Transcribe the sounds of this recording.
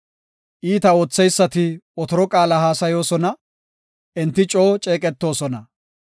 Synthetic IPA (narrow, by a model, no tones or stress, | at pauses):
ʔiːt̪ɐo̞ːt͡sːɛjsːɐt̪ɪɔt̪ɔɾɔkʼaːlɐɦaːsɐjo̞ːsɔnɐ | ʔɛnt̪ːɪt͡ʃʼo̞ːt͡ʃʼeːkʼɛt̪ːo̞ːsɔnɐ